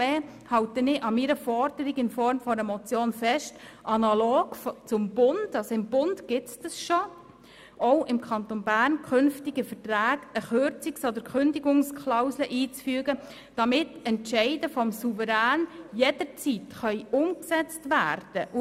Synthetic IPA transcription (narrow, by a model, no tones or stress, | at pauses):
eːhɑwtənɪʔɑmiːɾəfɔrd̥əɾiɡɪnfɔɾmfɔɾəmɔt͡sjoːnfɛʃt | ʔɑnɑloːɡ̥ft͡sʊmbʊnd̥ɑsɔɪmb̥ʊndɡ̥ɪt͡sd̥əsʃɔ | ɔʊʔɪmkʰɑnt̪onbæːrnkʰʏnftiɡəfətɾæːɡəχøɾt͡sɪksɔd̪əɾkʰχʏndiɡʊŋskʰlaʊsləʔiːt͡sfyːɡə | d̥ɑmɪtɛntʃɛɪdəfɔmsuvəɾæːnjɛd̥ət͡sitχœʏʊmksɛt͡stʋæːɾd̥əʔ